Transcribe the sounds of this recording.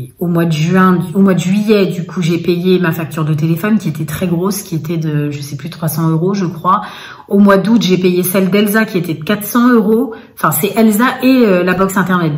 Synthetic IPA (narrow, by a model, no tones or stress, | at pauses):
omwad̪əʒɥɛ̃omwad̪əʒɥijɛd̪ykʰuʒepejemafak̚t̪yʁd̪ət̪̬elefɔnkʲiet̪ɛt̪χɛɡʁoskʲiet̪ɛd̪əʒəsɛplyt̪χwasɑ̃øʁoʒəkχwa | omwad̪ut̪ʒepejesɛld̪ɛlzakʲiet̪ɛd̪əkat̪sɑ̃øʁo | ɑ̃fɛ̃sɛʔɛlzaʔeølabɔksɛ̃t̪ɛʁnɛt̪̚